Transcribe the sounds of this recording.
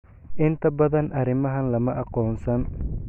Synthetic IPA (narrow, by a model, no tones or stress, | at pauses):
ʔɪnt̪ʰɐbɐðɐnʔɐɾɪmɐɦɐnlɐmɐʔɑqɔːnsɐn